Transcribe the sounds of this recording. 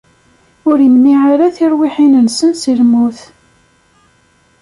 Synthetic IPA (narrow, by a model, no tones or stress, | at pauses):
ʊɾimniʕaɾaθiɾˤwɪħinənsənsilmuθ